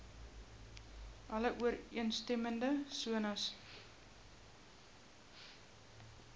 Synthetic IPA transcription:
ɐləʔuəriənstɛməndəsuənɐs

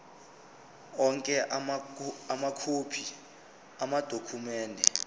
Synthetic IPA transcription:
ɔŋkʼɛʔ | amakʰupʰi | amad̥ʱokʰumɛːndʱɛ

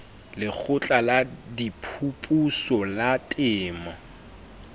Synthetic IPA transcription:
lɪk͡xʰʊt͡ɬʼaladipʰupʼusɔlatʼɪːma

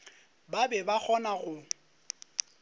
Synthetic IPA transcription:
babɛbak͡xʰɔnaɣʊ

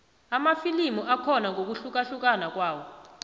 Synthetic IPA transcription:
amafilimuʔakʰɔnaŋok̬uɬuk̬aɬuk̬ʼanak̬waːwɔ

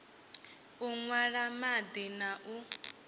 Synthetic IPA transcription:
uŋwaɺamad̪inaʔu

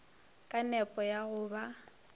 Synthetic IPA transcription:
kʼanɛpʼɔjaɣʊːba

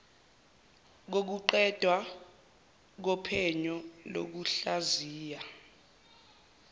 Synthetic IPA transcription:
k̬ok̬uǃɛd̥ʱwa | k̬ɔpʰɛɲɔlo̰k̬uɬaziːja

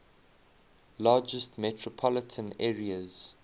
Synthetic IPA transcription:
lɑːd͡ʒəstmɛtʰɹɔpʰɔlətʰə̃nɛːɹiəz̥

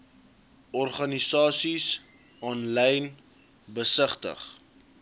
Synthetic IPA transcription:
ɔrχɐnisɑːsis | ɑːnlɛjn | bəsəχtə̰χ

